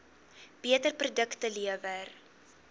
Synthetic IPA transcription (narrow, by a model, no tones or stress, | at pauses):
b̥iətərprudəktəliəvər